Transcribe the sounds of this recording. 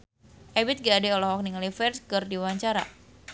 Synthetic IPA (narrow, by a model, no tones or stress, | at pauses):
ʔɛbɪt̪̚ɡadɛɔlɔɦɔk̚niŋlifɛrskərdiwaɲt͡ʃaɾa